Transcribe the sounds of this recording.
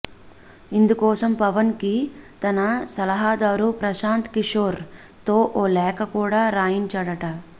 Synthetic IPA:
ind̪ukɔːsɐmpɐʋɐnkit̪ɐnɐsɐlɐɦaːd̪aːɾupɾɐʃaːnt̪kiʂoːɾ | t̪o̞ːʔoːlɛːkɐkuːɽaːɾaːjiɲt͡ʃɐɽɐʈɐ

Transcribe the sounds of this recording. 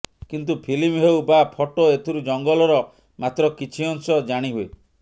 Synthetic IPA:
kint̪̬upʰilimɦewbapʰɔʈoet̪ʰiɾud͡ʒɔŋɡɔlɔɾɔ | mat̪ɾɔkit͡ʃʰiɔŋsɔd͡ʒaɽ̃iɦue

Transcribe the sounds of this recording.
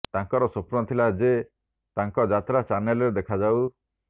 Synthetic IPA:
t̪aŋkɔɾɔsopɾɔt̪ʰilad͡ʒe | t̪aŋkɔd͡ʒat̪ɾat͡ʃaɾnelɔɾed̪ekʰad͡ʒaw

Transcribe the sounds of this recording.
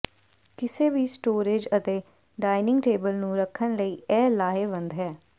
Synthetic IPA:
kɪseːʋiːsʈoːɾeːd͡ʒət̪eː | ɖaːɪnɪ̃ŋɡʈeːbəlnũːɾəkʰːənləiːʔɛːlaːɦeːbənd̪ɦɛː

